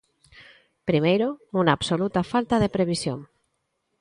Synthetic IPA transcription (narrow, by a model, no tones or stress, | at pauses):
pɾimejɾounaːβsolut̪afalt̪aðepɾeβ̞isjo̰ŋ